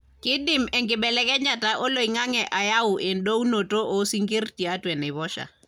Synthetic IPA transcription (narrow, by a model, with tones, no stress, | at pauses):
kɪ˦dɪ˨mɛŋkɪbɛlɛ˦kɛ˦ɲa˨taʔo˦lo˨iŋa˦ŋɛ˨ʔa˨ja˦ʊ˨ʔɪ˨ndo˦u˦no˨to˦ʔo˨˦si˦ŋɡe˦rti˨a˦twɛ˨nɪ˨βɔ˦ʃa̰˨